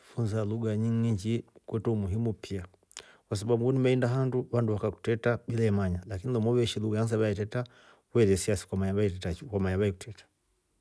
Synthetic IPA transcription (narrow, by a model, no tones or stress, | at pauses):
funzaluɡaɲiŋɡiɲd͡ʒikwɛtɔumuɦimupʰia | kwas̬aɓaɓuunimɛindaɦanduwanduwakaku̥tɛtaɓilaɛmaɲalakinilɔmɔβɛʃiluɡaanzaβajɛtɛta | wɛlɛsiasi̥kwamaɲaβaitɛtakamaɲaβaikutʰɛtḁ